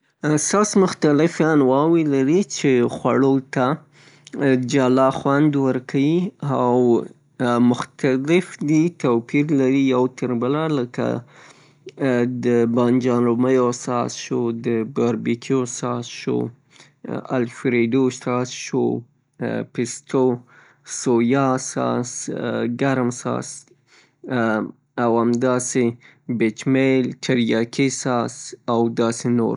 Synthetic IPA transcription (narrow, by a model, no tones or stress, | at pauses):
st̪ɑsmʊxt̪alɪfjɑnwɑwilaɾit͡ʃexwaɽot̪a | d͡ʒalɑxwand̪wəɾkʰawiaw | mʊxt̪alɪfd̪it̪opiɾlaɾijawt̪əɾbəlaləka̰ | d̪əbɑnd͡ʒɑnoməjasɑzʃod̪əɡaɾbikʰjosɑsʃo̰ | a̰lfɾeɖoʃt̪ɑsʃo | pɪst̪ʰo | sojɑsɑ̰sɡaɾmsɑ̰s | awamd̪ɑse | bet͡ʃmeltʰaɾjɑkʰesɑsawd̪ɑseno̰ɾ